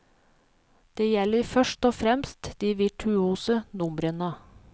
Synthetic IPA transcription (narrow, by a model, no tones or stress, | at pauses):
d̪̥eːjɛləɾfœʃʈoːfɾɛmst̪d̪̥iːʋɪʈʰʉuːsənʊmɾənə